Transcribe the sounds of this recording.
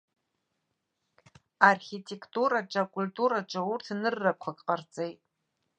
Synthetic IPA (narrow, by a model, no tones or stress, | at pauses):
arχʲitʰe̞kʰtʼuɾad͡ʒʼakʼultʼuɾaʈ͡ʂʼaurtʰnɨrːakʷʰakʼqʼart͡sʼejtʼ